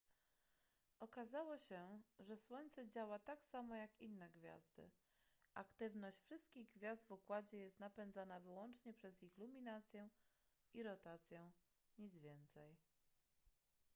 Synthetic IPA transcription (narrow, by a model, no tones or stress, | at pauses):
ɔkazawɔɕɛʐɛswɔɲʲt̪sɛd͡ʑawat̪aksamɔjakinːɛɡvʲja̰zd̪ɘ̰ | ʔakt̪ɘvnɔɕt͡ɕfʂɘst̪kʲiɣɡvʲjasd̪vukwad͡ʑɛjɛst̪napɛnd̪zanavɘwɔnt͡ʂɲɛpʂɛzixlumʲinat̪sʲjɛ | iɾɔt̪at̪sʲjɛ̃ | ɲid̪zvʲjɛnt̪sɛj